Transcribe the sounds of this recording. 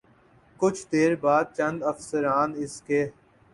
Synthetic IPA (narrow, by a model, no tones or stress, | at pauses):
kʊt͡ʃʰd̪eːɾbaːd̪̚t͡ʃə̃nd̪əfsəɾaːnɪskeː